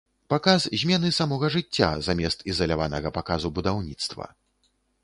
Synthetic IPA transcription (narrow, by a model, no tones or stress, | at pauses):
pakaszʲmʲɛnɨsamɔɣɐʐɨt͡sʲːa̰zamʲɛst̪izɐlʲavanɐɣɐpakazubud̪awnʲit̪st̪vɐ̰